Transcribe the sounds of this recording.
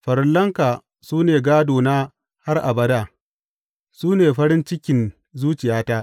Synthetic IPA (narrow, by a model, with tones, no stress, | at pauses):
ɸɐ˨ɾɪ˦lːɐ˦ŋkaː˨ | suː˦neː˨ɡaː˦doː˨naː˦ | ha˦rʔa̰˨bɐ˦daː˦˨ | suː˦neː˨ɸɐ˦ɾɪ˦nt͡ʃɪ˦kʲɪ˨n | zuː˦t͡ʃɪ˨jaː˦ta˦ʔ